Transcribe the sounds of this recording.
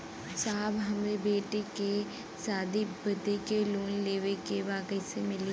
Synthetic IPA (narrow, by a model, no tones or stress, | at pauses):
saːbɦɐmebeːʈeke | saːd̪ibɐd̪ekeluːnleːʋekeʋaːkəisemɪli